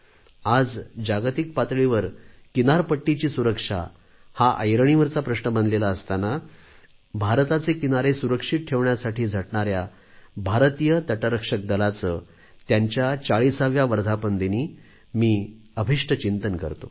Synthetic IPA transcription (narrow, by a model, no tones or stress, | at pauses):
ad͡zd͡ʑaɡt̪ik̚pat̪ɭiʋəɾ | kinaɾpəʈːit͡ɕiːsuɾəkʂa̰ | haʔə̰jɾəɳ̃iʋəɾt͡sapɾəʂɳəməndlelaəst̪ana | bʱaɾt̪at͡sekinaɾesuɾəkʂit̪̚ʈʰːeʋɳjasaʈʰiːd͡zʱəʈɳaɾja | bʱaɾt̪ijət̪əʈəɾəkʂək̚d̪əlat͡sə | t̪jaɲt͡ɕjat͡saɭisaʋjaʋəɾd̪ʱapənd̪iniː | miː | əbʱiʂʈʰət͡ɕint̪ənkə̰ɾt̪o̰